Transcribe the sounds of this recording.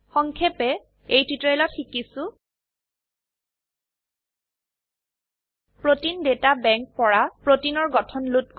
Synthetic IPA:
xɔŋkʰɛpɛ | ejtitɹelɔtxikisʊ̃ | pɹotindetabɛŋk̚pɔɹapɹotinɔɹɡɔtʰɔnlut̚k

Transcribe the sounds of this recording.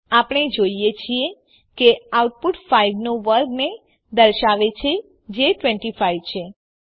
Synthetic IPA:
apəɳ̃ed͡ʒoijet͡ʃʰie | keawʈ̚puʈfaiʋnoʋəɾɡne | d̪əɾʃaʋet͡ʃʰe | d͡ʒeʈʋɛ̃ɳʈifaiʋt͡ʃʰe

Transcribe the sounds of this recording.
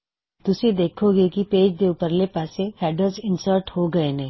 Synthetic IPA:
t̪ʊsed̪eːkʰoɡekipeːd͡ʒd̪eupəɾlepaːsehɛːɖəɾzɪ̃nsəɾʈhoɡɐenẽ

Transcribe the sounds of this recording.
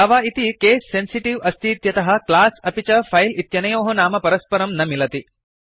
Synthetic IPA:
ɐʋaːit̪ikeːsːensiʈiʋɐst̪iːt̪jɐt̪ɐɦɐ̆klaːsɐpit͡ʃɐpʰɐjlit̪jɐnɐjoːɦɐnaːmɐpɐɾɐspɐɾɐmnɐmilɐt̪i

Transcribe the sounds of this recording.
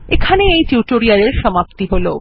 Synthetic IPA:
ekʰaneejtuʈoɾiaɾeɾʃɔmapt̪iɦolo

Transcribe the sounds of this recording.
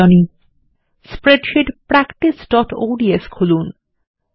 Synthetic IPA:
ɔni | spɾeɖʃiʈpɾækʈisɖɔʈo̰ɖieskʰulun

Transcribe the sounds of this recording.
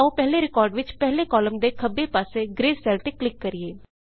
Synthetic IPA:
ũːpɛɦleɾɪkɔːɾɖʋɪt͡ʃpɛɦlekɔːləmd̪eːkʰəbːeːpaːseːɡɾeːsɛːlʈ̪eklɪkːəɾieː

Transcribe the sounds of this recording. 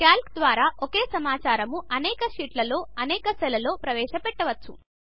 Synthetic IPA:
kaːlkd̪ʋaːɾaːʔokeːsɐmaːt͡ʃaːɾɐmuɐnɛːkɐʃiːʈlɐlo̞ːɐnɛːkɐsɛlɐlo̞ːpɾɐʋɛːʂɐpɛʈːɐʋɐt͡ʃːṵ

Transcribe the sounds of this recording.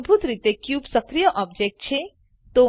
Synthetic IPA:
bʱut̪ɾit̪ekjupsəkɾijəʔɔb̚d͡ʒek̚ʈ̚t͡ʃʰe | t̪o

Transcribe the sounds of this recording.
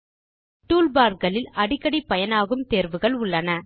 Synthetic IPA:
ʈuːlbaːɾɡɐɭɪlɐɽɪkːɐɽipːɐjɐnaːɣɯmt̪eːɾʋɯɣɐɭʊɭːɐnɐ

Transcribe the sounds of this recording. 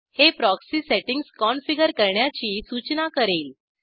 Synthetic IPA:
hepɾɔksiseʈiŋɡskɔnfiɡəɾkəɾɳjat͡ɕiːsut͡ɕnakəɾeːl

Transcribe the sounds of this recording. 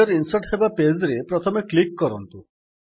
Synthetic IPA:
ɔɾinsɔʈɦebaped͡ʒɾepɾɔt̪ʰɔmeklikːɔɾɔnt̪u

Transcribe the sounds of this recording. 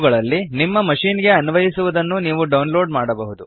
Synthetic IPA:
ɡɐɭɐlːinimːɐmɐʂiːnɡe̞ɐnʋɐjisuʋud̪ɐnːuniːʋuɖɐwnlo̞ːɖmaːɽɐbɐɦud̪u

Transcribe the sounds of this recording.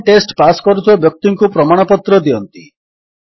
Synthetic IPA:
ʈesʈpaskɔɾut̪ʰiabjɔk̚t̪iŋkupɾɔmaɽ̃ɔpɔt̪ɾɔd̪iɔnt̪i

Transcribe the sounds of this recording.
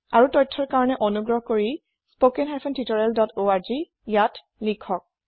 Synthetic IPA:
aɹutɔjtʰːɔɹkaɹɔnɛʔɔnuɡɹɔɦkoɹi | spokɛnɦaɹpʰɔntitɔɹɛldɔtʰoaɹzi | jat | likʰːɔk̚

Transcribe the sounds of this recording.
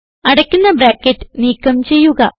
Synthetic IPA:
ɐɽɐkʲːunːɐbɾaːkːetːniːkːɐmt͡ɕe̞jːuɣɐ̰

